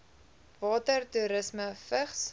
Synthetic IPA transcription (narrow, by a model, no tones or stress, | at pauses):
vɑːtərtuɾəsməfəχs